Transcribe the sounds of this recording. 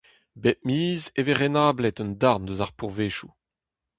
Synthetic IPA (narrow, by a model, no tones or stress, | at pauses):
bɛʔmiːzeveʁenaːblɛt̪œndaʁndøzaʁpuʁveːʃu